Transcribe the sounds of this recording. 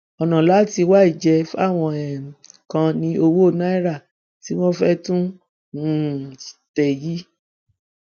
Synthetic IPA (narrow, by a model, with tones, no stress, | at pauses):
ɔ˨nã˨la˨˦ti˧wa˦i˦˨d͡ʒɛ˧fa˦˨w̃ɔ̃˧ɛ˨kã˧nĩ˧o˧wo˦o˦˨na˦i˦ɾa˦˨ | ti˦w̃ɔ̃˦fɛ˦tũ˦ | ũ̥˦˨tɛ˨ji˦